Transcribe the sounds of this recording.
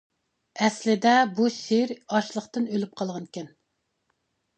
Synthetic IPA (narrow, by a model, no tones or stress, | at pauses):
ɛslɪd̪ɛbuʃeɾɑʃlˠəχt̪ɨnølyp̚qʰɑlˠʁɑnkʲʰɛn